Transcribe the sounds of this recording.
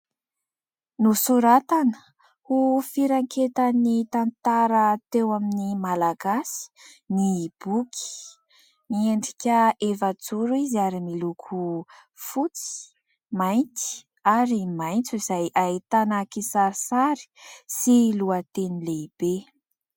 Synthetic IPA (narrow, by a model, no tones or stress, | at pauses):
nusuɾat̪anə | hufiɾaŋket̪anit̪ant̪aɾət̪ewaminimalaɡasi̥nib̥ukʲʰi̥ | mieɳɖ͡ʐikʲəʔevat͡suɾuiziaɾimilukʰu | fut͡si̥ | majnt͡si̥ | aɾimajnt͡suz̥ajʔaet̪anakisaɾisaɾi̥siluat̪enileib̥e